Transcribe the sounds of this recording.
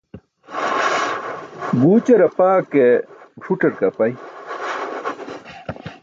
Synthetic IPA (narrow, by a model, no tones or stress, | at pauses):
buːt͡ɕɐɾɐpaːkeʈ͡ʂʰuʈɐɾkɐpɐj